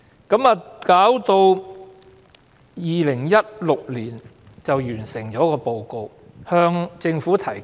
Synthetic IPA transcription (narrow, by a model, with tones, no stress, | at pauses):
kɐ˨˧˥maː˨˧kaː˨˥wt̪o˧w | jiː˨lɪ˨˩ŋjɐ˥t̚lʊ˨k̚liː˨˩n | t͡sɐ˨wjyː˨˩nsɪ˨˩ŋt͡ʃɔː˨˥kɔː˧po˨˧wko˧w | hœː˧ŋt͡sɪ˧ŋfuː˨˥t̪ʰɐ˨˩j